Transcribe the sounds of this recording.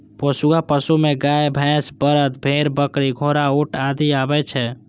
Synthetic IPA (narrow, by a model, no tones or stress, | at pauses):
pəsuapəsumeɡajbʱɛ̃sbəɾət̪bʱeɾbəkɾiɡʱoɾaoʈad̪iabɛt͡ʃʰɛ